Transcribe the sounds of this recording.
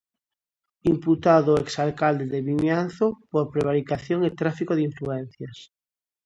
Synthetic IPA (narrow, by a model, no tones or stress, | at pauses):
imput̪aðoeksalkald̪eðeβiɲan̟θopoɾpɾeβ̞aɾikaθjoŋet̪ɾafikoðiɱfluen̟θjas